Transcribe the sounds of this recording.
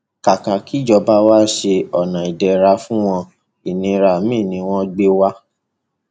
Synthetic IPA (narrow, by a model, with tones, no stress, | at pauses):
ka˨ka˨ki˨˦d͡ʒɔ˧ba˦wa˦ʃe˧ɔ˨nã˨i˨dɛ˨ɾa˧fũ˦w̃ɔ̃˧ | i˨nĩ˧ɾa˧˨mĩ˦˨nĩ˧w̃ɔ̃˦ɡ͡be˦wa˦